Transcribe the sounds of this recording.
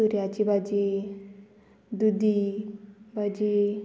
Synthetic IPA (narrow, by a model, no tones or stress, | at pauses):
uɾjat͡ɕibad͡ʑi | d̪ud̪ʱi | bʱad͡ʑi